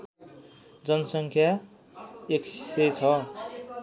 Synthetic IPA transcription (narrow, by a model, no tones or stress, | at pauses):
d͡zʌnʌsʌŋkʰja | eksset͡sʰʌ